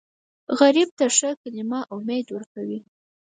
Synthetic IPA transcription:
ɣaɾib̚t̪aʂəkalɪmaʔʊmed̪wəɾkawi

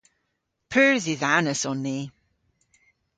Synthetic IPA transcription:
pʰəːziðanəsɔnːiː

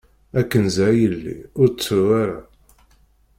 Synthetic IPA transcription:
ækːənzæjəlːḭʊɾt͡sːuwaɾa

